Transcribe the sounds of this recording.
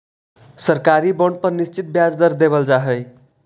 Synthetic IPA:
səɾkaɾibəɳɖ̚pəɾnist͡ʃit̪̚bjad͡zd̪əɾd̪eβəld͡ʒaɦəj

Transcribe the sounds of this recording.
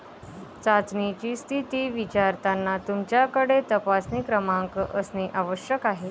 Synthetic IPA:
t͡sat͡snit͡ɕiːst̪ʰit̪iːʋit͡ɕaɾt̪anːat̪umt͡ɕjakəɽet̪əpasniːkɾəmaŋkəʔəsniʔaʋəɕjəkaɦe

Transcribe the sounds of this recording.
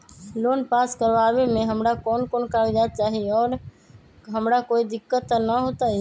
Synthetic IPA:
loːnpaːskəɾʋaːbemẽɦəmɾakɔːnkoːnkaːɾid͡ʒ̪aːt̪̚t͡ʃaːɦieɔːɾ | ɦəmɾakoːid̪ɪkːət̪ːənəɦoːt̪ai

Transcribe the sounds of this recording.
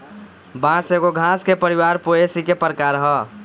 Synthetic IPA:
bãseɡoɡʱãːskepəɾiwaːɾpoesikepəɾkaɾəɦə

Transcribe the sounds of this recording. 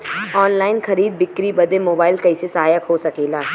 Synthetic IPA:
ɔːnlaːɪnxɐɾiːd̪̚bɪkːɾibɐd̪emoːbaːɪlkɐisesɐɦaːjəkɦosɐkeːlaː

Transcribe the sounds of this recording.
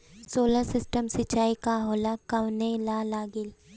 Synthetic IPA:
soːləɾsɪsʈəmsɪt͡ʃːaːikaɦoːlakɐʋnelalaːɡɪl

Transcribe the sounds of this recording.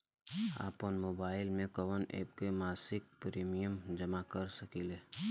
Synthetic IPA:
a̰ːpənmoːbaːɪlmẽkɔʋənḛːp̚kemaːsɪk̚pɾiːmijəmd͡ʒəmakəɾsəkileː

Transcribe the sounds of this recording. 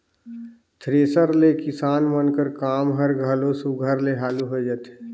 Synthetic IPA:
t̪ʰɾeːsəɾlekɪsaːnmənkəɾkaːmɦəɾɡʱəlosuɡʱəɾleɦaːluɦod͡ʒət̪ʰː

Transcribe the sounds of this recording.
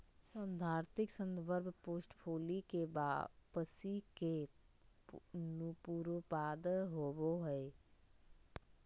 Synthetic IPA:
sə̃d̪ʱaːɾt̪ɪksə̃nd̪bəɾbʱpoːsʈpʰoːlikebapəsike | nupuːɾəpaːd̪ɦoːboɦɛ

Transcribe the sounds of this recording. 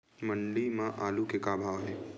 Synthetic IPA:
məɳlimãʔaːlukekaːbʱaːʋɦẽː

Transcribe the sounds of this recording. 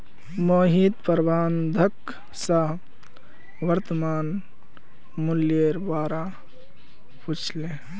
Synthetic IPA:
moɦid̪pəɾbʱaːnd̪ʱək | saɦ | ʋəɾt̪əmaːn | muljeɾbwaːɾa | put͡ʃʰle

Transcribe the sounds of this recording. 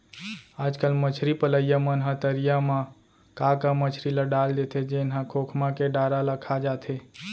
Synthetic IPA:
ad͡ʒkəlmət͡ʃʰɾipələjamənɦãt̪əɾijamã | kakamət͡ʃʰɾilaɖald̪et̪ʰed͡ʒenɦãkʰokʰmakeɖaɾaləkʰad͡ʒat̪ʰe

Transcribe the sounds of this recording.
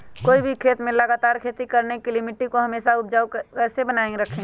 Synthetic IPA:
koːibʱikʰeːt̪mẽlɐɡaːt̪aːɾkʰeːt̪ikɐɾnekilɪmɪʈikoɦɐmeːʃaʊp̚d͡ʒaːukɛːsebənaːẽɾɐkʰẽː

